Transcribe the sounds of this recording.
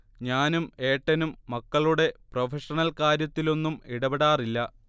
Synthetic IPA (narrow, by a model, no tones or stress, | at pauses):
ɲaːnume̞ːʈːɐnumːɐkːɐɭuɽe̞profeʂɐnɐlkaːɾjɐt̪ːilo̞nːumiɽɐbeɽaːrilːɐ